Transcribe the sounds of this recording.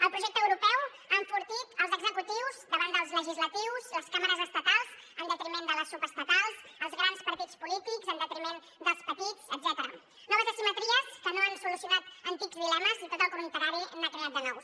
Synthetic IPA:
əlˠpɾuʒɛk̪̚əwɾupɛw | əɱfuɾt̪it̪əlˠzəɡzəkut̪iwzd̪əβand̪əlˠzləʒizlət̪iwzəlˠskaməɾəzəst̪ət̪alˠzənd̪ət̪ɾimẽnd̪ələsupəst̪ət̪alˠsəlˠzɣɾanspəɾt̪it͡spulit̪ikzənd̪ət̪ɾimen | d̪əlˠspədt̪itsəd̪zɛt̪əɾə | nɔβəzəsimət̪ɾiaskənoansulusjunat̪ənt̪ikzβilɛməzit̪ot̪əlˠkumunit̪əɾaɾiənːakɾeat̪̚d̪ənɔw

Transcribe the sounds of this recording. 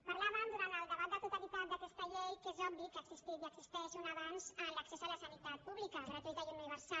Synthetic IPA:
paɾlaβənd̪uɾant̪əlˠd̪əβat̪d̪ət̪ut̪alit̪at̪d̪akɛst̪əʎejkezɔbikəksist̪it̪iəksist̪ɛʃunaβanzənləksɛzələsənit̪at̪̚puβlikəzɾat̪ezðajununiβəɾsa

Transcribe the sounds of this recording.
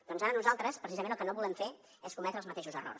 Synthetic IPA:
d̪̥ɔnzaɾənuzalˠt̪ɾəspɾəsizəmenəlˠkənoβulɛmfe | eskumɛt̪ɾəlˠzmət̪eʃuzəro̰rs

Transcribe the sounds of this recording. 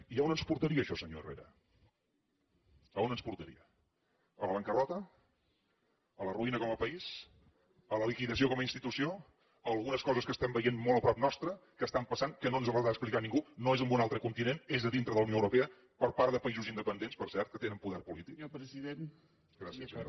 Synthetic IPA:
iəonənspuɾt̪əɾiəːʃɔsəɲoḛrḛɾə̰ | əonənspuɾt̪əɾḭə | ələβəŋkərɔt̪ə | ələruinəkɔməpəis | ələlikiðəs̬iokɔməinst̪it̪usio | əlˠɣunəskɔzəskəst̪ɛmbəjenmolˠəpɾɔp̚nɔst̪ɾəkəst̪ampəsaŋkənonzələaəsplikaniŋɡunoezəmbunalˠt̪ɾəkunt̪inenezəðint̪ɾəðləwnioəwɾupeə | pəɾpaɾðəpəizuzind̪əpənd̪enspəɾsɛɾt̪̚kət̪enəmpuðɛɾpulit̪ikpɾəziðen | ɡɾasiəso̰

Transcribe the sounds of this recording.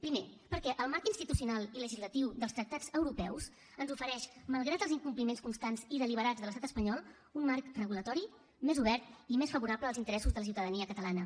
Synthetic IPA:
pɾimepəɾkɛʔəlˠmaɾkinst̪it̪usiunalˠiləʒizlət̪iwðəlst̪ɾək̚t̪ad͡zəwɾupɛws | ənzufəɾɛʃməlˠɣɾat̪əlziŋkumplimenskunst̪anziðəliβəɾad͡zðələst̪at̪əspəɲɔlˠ | unmarkrəɣulət̪ɔɾi | mezuβɛɾt̪imesfəβuɾapləːlˠzint̪əɾɛsuzðələs̬iwt̪əðəniəkət̪əlanə

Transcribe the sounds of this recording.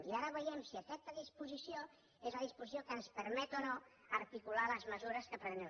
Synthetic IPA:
iaɾəβəjɛmsiəkɛt̪əðispuzisio | ezləðispuzis̬jokənspəɾmɛt̪ono | əɾt̪ikulaləzməzuɾəskəpɾəne

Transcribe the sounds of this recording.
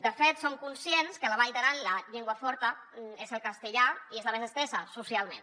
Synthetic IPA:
d̪əfet̪soŋkunsjenskələβ̞ajðəɾanlaʎeŋɡwəfɔɾt̪ə | ezəlˠkast̪əʎaiezləmezəst̪esəsusjalˠmẽn

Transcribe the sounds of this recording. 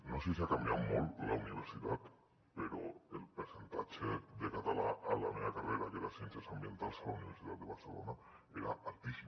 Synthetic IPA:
noses̬iakambjawmollauniβ̞eɾsit̪at̪ | peɾoelpesent̪at͡ʃed̪ekat̪alaalameakareɾakelasθjenθjasambjent̪alsalauniβeɾsit̪at̪̚d̪eβaɾselo̰na | eɾa̰ʔalt̪isi

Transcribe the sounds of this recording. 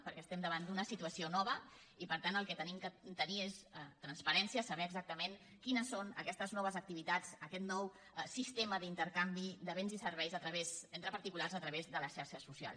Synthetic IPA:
pəɾkɛst̪ɛmd̪əβand̪unəsit̪uəsionɔβ̞ə | ipəɾt̪anəlˠkɛt̪ənimkət̪əniest̪ɾənspəɾɛnsiəsəβɛəɡzak̚t̪əmen | kinəsːonə̰kɛst̪əznɔβəzək̚t̪iβit̪at͡səkɛt̪nɔw | sist̪eməðint̪əɾkambid̪əβenzisəɾβɛjzət̪ɾəβezint̪ɾəpəɾt̪ikularzət̪ɾəβezðələsʃaɾʃəsusia̰lˠs

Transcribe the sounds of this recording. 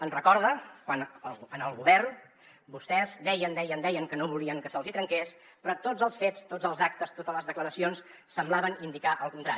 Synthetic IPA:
ənrəkɔɾðəkwanəənəlˠɣuβɛrn | bust̪ɛzd̪ɛjənd̪ɛjənd̪ɛjəŋkənoβuliəŋkəsəlˠzit̪ɾəŋkes | pɾɔt̪od͡zzəlˠsfett͡st̪od͡zəlˠzak̚t̪əst̪ot̪ələzðəkləɾəsions | səmblaβənind̪ikaʔəlˠkunt̪ɾa̰i

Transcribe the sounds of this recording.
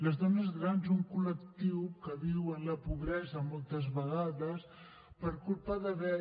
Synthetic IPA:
ləzðɔnəzɣɾanzuŋkuləkt̪iwkəβiwənləpuβɾɛzəmɔlˠt̪əzβəɣ̞aðəs | pəɾkulpəðəβɛ

